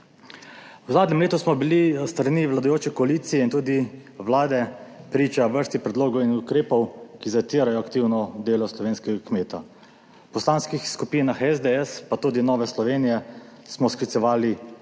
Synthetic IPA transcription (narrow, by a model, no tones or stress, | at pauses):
wzaːd̪nʲɛmleːt̪usmɔbilist̪ɾaniʋlad̪ajoːt͡ʃɛkɔaliːt̪sijɛint̪uːd̪iʋlaːd̪ɛpɾiːt͡ʃaʋəɾst̪ixpɾɛd̪loːɡɔwinukɾeːpɔwkizat̪iːɾajɔakt̪iːwnɔd̪eːlɔslɔʋeːnskɛɡakmeːt̪a | pɔslaːnskixskupiːnaxɛzd̪eɛspat̪uːd̪inɔːʋɛslɔʋeːnijɛsmɔsklit̪sɛʋaːli